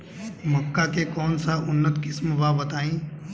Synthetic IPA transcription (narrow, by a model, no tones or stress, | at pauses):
məkːakekɔːnsaʊnːət̪kɪsmbaːbət̪aːĩː